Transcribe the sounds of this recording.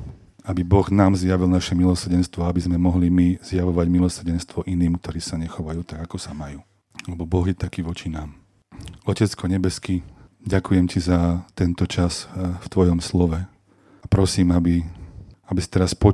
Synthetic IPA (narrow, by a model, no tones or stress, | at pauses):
abibɔɣnaːmzjaʋilnaʃɛmilɔs̩ɟɛnst̪ʋɔabizmɛmɔɦlimiz̥jaʋɔʋaɟmilɔsr̩ɟɛnst̪ʋɔʔiniːmkt̪ɔɾiːsaɲɛxɔʋajuːt̪aɡakɔsamajuː | lɛbɔbɔɣjɛt̪akiːʋɔt͡ʃinaːm | ɔcɛt͡skɔɲɛbɛski | ɟakujɛmcizat̪ɛnt̪ɔt͡ʃasft̪ʋɔjɔmslɔʋɛ | apɾɔsiːmabi | abisi̥t̪ɛɾaspɔ